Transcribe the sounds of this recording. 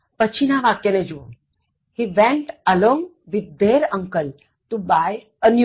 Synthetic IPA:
pət͡ɕʰinaʋakjəned͡ʒṵ | hiʋẽɳʈəlɔ̃ːŋɡ | ʋid̪ːeɾə̃ŋkəl | ʈubaj | ən

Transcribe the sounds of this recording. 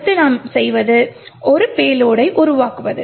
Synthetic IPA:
t̪ːɯnaːmsɛjʋɐðɯʔɔɾɯpeːloːɽɐɪʔʊɾʊʋaːkɯʋɐðɯ̰

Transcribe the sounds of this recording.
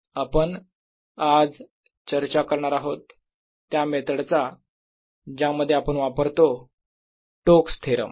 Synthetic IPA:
apəɳ | ad͡z | t͡ɕəɾt͡ɕakəɾɳaɾaɦot̪ː | jamet̪ʰəɽt͡sa | d͡ʑaməd̪ʱːjeapəɳʋapəɾt̪o | ʈokst̪ʰeɾə̰m

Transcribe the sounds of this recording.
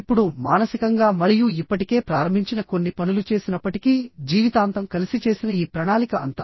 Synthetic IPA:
pːuɽumaːnɐsikɐŋɡaːmɐɾijuipːɐʈike̞ːpɾaːɾɐmbʱiɲt͡ʃinɐko̞nːipɐnulut͡ʃe̞ːsinɐpːɐʈikid͡ʒiːʋit̪aːnt̪ɐmkɐlisit͡ʃe̞ːsinɐiːpɾɐɳaːlikɐɐnt̪a

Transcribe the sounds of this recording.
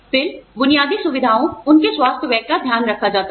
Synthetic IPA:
fɪlbʊnijaːd̪isʊʋɪd̪ʱaːõʊnkeswaːst̪ʰjəʋɛːɡ̚kːad̪ʱjaːnɾɐkʰːad͡ʒaːt̪a

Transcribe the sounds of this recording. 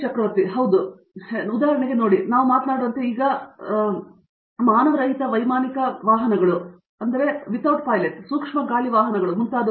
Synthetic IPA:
t͡ʃɐkɾɐʋɐɾt̪iɦɐwd̪u | ud̪aːɦɐɾɐɳeɡe̞no̞ːɽinaːʋumaːt̪naːɽoːɐnt̪eiːɡɐ | maːnɐʋɐɾɐɦit̪ɐʋɐjmaːnikɐʋaːɦɐnɐɡɐɭu | ɐnd̪ɐɾe̞ʋit̪aːʈ̚paːjleʈsuːkʂmɐɡaːliʋaːɦɐnɐɡɐɭumunt̪aːd̪ɐ

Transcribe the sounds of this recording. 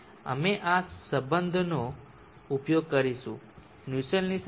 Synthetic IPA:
ə̰meʔasəbənd̪ʱno | upjoɡ̚kəɾiʃṵ̃ | njusəlnis

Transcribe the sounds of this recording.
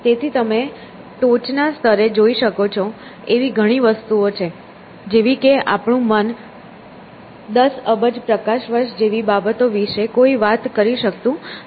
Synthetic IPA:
t̪et̪ʰit̪əme | ʈot͡ʃnast̪ʰəɾed͡ʒoiʃəkot͡ʃʰo | eʋiɡʱəɽ̃iʋəst̪uot͡ʃʰe | d͡ʒeʋikeʔa̰pɳũmən | d̪əsəbəd͡ʒpɾəkaʃʋəɾʃd͡ʒeʋibabət̪oʋiʃekoiʋat̪kəɾiʃək̚t̪ũ

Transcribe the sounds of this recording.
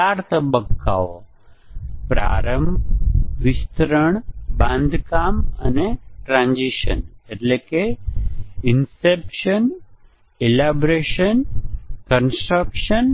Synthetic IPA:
aɾt̪əbəkːa̰o | pɾa̰ɾəm | ʋist̪ɾəɳbãnd̪ʱkaməneʈɾãnd͡ʒiʃə̰neʈleke | insepʃən | elabɾeʃənkənsʈɾəkʃən

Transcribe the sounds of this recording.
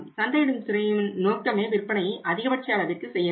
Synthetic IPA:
msɐnd̪ɐjɪɽɯmsɪɾɐjɯmnnoːkːɐmeːʋɪrpːɐnɐjɐɪʔɐðɪɣɐpɐʈ̚t͡ʃɐjɐːɭɐʋɪrkɯsɛjːɐ

